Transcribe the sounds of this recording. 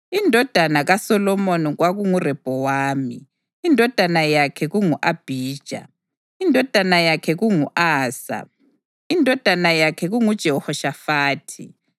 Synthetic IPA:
indʱɔd̥ʱanaɣasɔlɔmoniɣwaɣuŋurɛb̥ʱɔwaːmiː | ndʱɔd̥ʱanajakʰɛɣuŋuʔab̥ʱiːd̥ʒ̥ʱa̰ | indʱɔd̥ʱanajakʰɛɣuŋuʔaːsa̰ | indʱɔd̥ʱanajakʰɛɣuŋud̥ʒ̥ʱɛɔhɔʃafaːtʰi

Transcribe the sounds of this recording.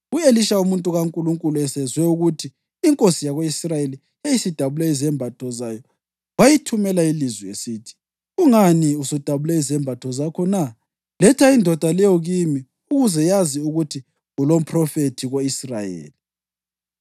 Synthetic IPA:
ueliʃaumuntʼuɣaŋkʼuluŋkʼuluɛsɛzwɛuɣutʰiː | ŋkʼosijaɣoisrajeli | ejisid̥ʱaβulɛizɛmbʱatʰɔzajɔ | wajitʰumɛlailizwɛesitʰi̥ | uŋaniusud̥ʱaβulɛizɛmbʱatʰɔzakʰɔna | lɛtʰaindʱɔd̥ʱalɛjɔɣimi | uɣuzɛjaziuɣutʰi | ɣulom̩pʰrɔfetʰiɣoisrajḛːli

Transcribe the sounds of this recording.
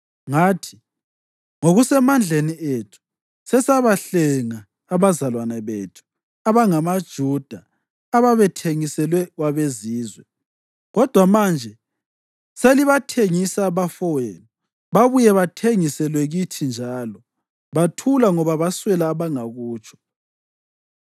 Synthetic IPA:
ŋatʰi̥ | ŋoɣusɛmand͡ɮʱenietʰu̥ | sɛsaβaɬɛŋaː | βazalwanɛβetʰu̥ | aβaŋamad̥ʒ̥ʱud̥ʱaː | βaβɛtʰeŋisɛlwɛɣwaβeziːzwɛ | ɣɔd̥ʱwamand͡ʒʱɛ | seliβatʰeŋisaβafɔweːnɔ | βaβujɛβatʰeŋisɛlwɛɣitʰind͡ʒʱalɔ | βatʰulaŋɔβaβaswɛlaːβaŋaɣuːt͡ʃʼʰɔ̥

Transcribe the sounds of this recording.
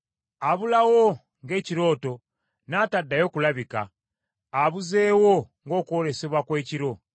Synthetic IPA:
aβulawo | ŋɡe̞ːciɾo̞ːto̞ | naːtadːajo̞ːkulaβika̰ː | βuze̞ːwoŋɡo̞ːkuwoɾe̞se̞βwakwe̞ːciɾo̞

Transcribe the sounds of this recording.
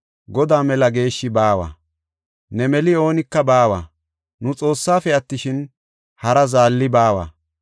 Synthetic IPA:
ɡɔd̪aːmɛlɐɡe̞ːʃːɪbaːwa̰ː | nɛmɛlɪo̞ːnɪkːɐbaːwa̰ː | nʊt͡sʼo̞ːsːaːfɛɐt̪ːɪʃɪn | hɐɾɐzaːlːɪbaːwa̰

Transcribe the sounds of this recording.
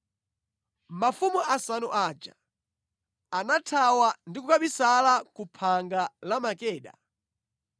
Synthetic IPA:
mafumuʔasanuʔaːd͡ʒa̰ | anatʰawandikukaɓisalakupʰaŋɡalamakɛːɗa̰

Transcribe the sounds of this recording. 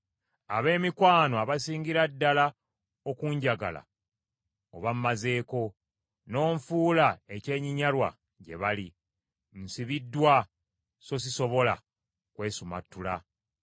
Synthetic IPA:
aβe̞ːmikwaːnoaβasiːɲɟiɾadːala | okuːɲɟaɡa̰la̰ | o̰βammaze̞ːko̞ | no̞ːɱfuːlae̞ce̞ːɲiɲalwa̰ | ɟe̞̰βali | nsiβidːwa | so̞s̬iso̞βo̞la | kwe̞ːsuma̰tːula

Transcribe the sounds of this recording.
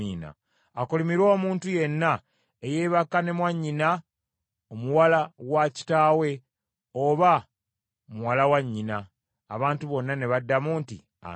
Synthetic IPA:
iːna̰ː | kulimiɾo̞ːmuːntuje̞nːa | eje̞ːβakːane̞mwaɲːina | omuwalawaci̥taːwe̞ | oβa | omuwalawaɲːinaː | βaːntuβo̞nːane̞βadːamuːntḭ | a̰

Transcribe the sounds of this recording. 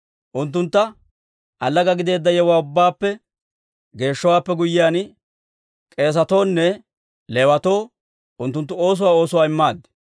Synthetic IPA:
ʔʊnt̪ːʊnt̪ːɐ | ʔɐlːɐɡɐɡɪd̪e̞ːd̪ːɐjɛwaːʊbːaːpːɛ | ɡe̞ːʃːɔwaːpːɛɡʊjːɪjaːn | kʼe̞ːs̬ɐt̪o̞ːnːɛ | le̞ːwɐt̪o̞ː | ʊnt̪ːʊnt̪ːʊo̞ːs̬ʊwaːo̞ːsʊwaːɪmːaːd̪ːɛ̥

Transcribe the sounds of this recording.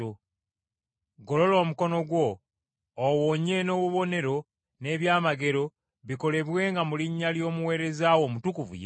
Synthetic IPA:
o | ɡo̞lo̞lo̞ːmuko̞no̞ɡwo̞ː | woɲe̞no̞ːβuβo̞ne̞ɾo̞ | ne̞ːβjaːmaɡe̞ɾo̞ | βiko̞le̞βwe̞ːŋɡamuliɲːaljo̞ːmuwe̞ːɾe̞zaːwo̞ːmutukuvṵje

